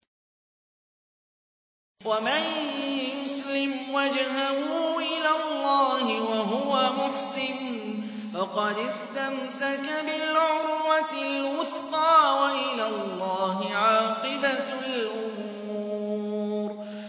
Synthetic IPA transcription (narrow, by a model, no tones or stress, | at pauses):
wamanjʊslɪmwad͡ʒhahuːʔɪlalˤːɑːhɪwaɦʊwamʊħsɪn | fɑqɑd̪ɪst̪amsakabɪlʕʊɾwat̪lwʊθqɑːwaʔɪlallˤːɑːɦɪʕɑːqɨbalʔʊm | uːɾ